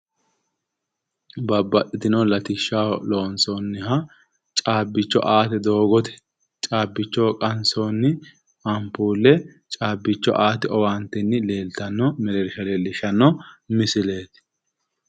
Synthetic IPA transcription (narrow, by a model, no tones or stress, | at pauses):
bɐbːɐtʼːɪt̪ɪnolɐt̪ɪʃːaːlo̞ːnsoːnːɪhɐ | t͡ʃʼaːbːɪt͡ʃːɔ̰ʔaːt̪ɛd̪o̞ːɡɔt̪ɛ̥ | t͡ʃʼaːbːɪt͡ʃːɔːkʼɐnsoːnːɪ | ɐmpuːlːɛ | t͡ʃʼaːbːɪt͡ʃːɔ̰ʔaːt̪ɪʔɔwaːnt̪ɛnːɪleːlt̪ɐnːɔmɛlɛɾɪʃɐleːlɪʃɐnːɔmɪsɪleːt̪